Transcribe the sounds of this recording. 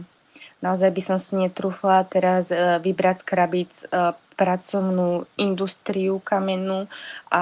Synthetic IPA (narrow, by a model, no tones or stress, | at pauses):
naɔzajbisɔmsiɲɛt̪ɾuːflat̪ɛɾazʋibɾat͡skɾabit͡spɾat͡sɔʊnuːʔind̪ust̪ɾiukamɛnuʔa